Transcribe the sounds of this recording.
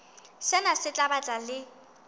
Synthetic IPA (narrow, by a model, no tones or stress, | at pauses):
sɪnasɪt͡ɬʼabat͡ɬʼalɪ